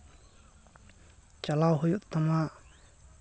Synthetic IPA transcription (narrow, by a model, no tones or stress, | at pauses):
t͡ɕalawɦojuʔt̪ama